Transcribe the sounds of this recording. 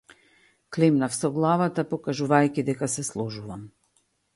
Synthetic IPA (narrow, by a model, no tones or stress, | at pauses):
klɛmnafsɔɡlˠavat̪apɔkaʒuvajkʲid̪ɛkasɛslˠɔʒuvam